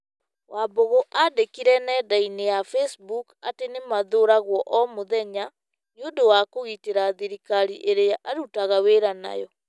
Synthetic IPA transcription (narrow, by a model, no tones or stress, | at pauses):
waboɣoʔadekiɾɛnɛːdainejafɛsbukatenemaðoɾaɣwɔʔɔmoðɛɲa | njodowakoɣiteɾaðiɾikaɾiʔeɾeaʔaɾutaɣaweːɾana̰jɔ